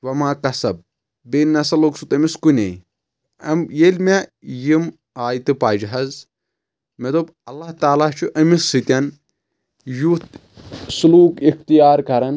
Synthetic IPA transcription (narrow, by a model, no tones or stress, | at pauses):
ʋɐmaːkɐsɐb̚ | bennɐsɐloksut̪ɐmiskunʲej | ɐmjelʲmejim | aːjt̪ɨpaːd͡ʒiɦɐz | med̪ob | ɐlːaht̪aːlaːt͡ʃʰuʔɐmisːɨt̪ʲɐn | jut̪ | suluːkixt̪ijaːɾkɐɾɐn